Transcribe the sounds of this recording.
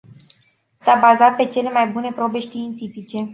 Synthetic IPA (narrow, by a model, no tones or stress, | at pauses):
sabazat̪̚pe̞t͡ʃe̞le̞majbune̞pɾo̞be̞ʃt̪iːnt̪sifit͡ʃe̞